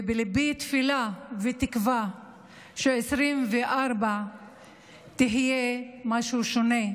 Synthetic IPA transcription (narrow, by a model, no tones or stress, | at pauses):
vebelibit̪filavet̪ikva | ʃeesɾimveʔaɾba | t̪iɦijemaʃuʃone